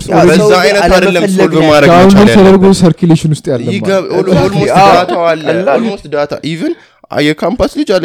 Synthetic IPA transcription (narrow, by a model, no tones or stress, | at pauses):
sobəzaajnət̪adəlːəolbəmaahunb̪ɨɾt̪ʰəd̪əɾɡosəɾkuleʃɪnwʊst̪ʼjalːəɪɡəβolmat̪ʰaalːəost̪d̪at̪ʰa̰ʔivɨn | jɛkʰampaslɨd͡ʒal